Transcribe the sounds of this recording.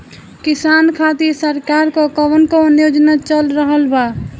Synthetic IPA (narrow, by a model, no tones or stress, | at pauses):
kisankʰat̪isəɾkaɾkokəʋənkoːnjod͡ʒnat͡ʃəlɾəɦəlba